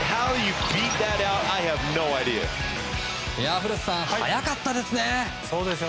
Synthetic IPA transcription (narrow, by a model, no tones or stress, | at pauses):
haʊjɨbit̪̚ðɨɾaʊtaɪɨvnoʊaɪdiɨ̰ | jaɸɯɾɯsãha̰jakat̪ːad̪e̞sɨne | soːd̪esɨo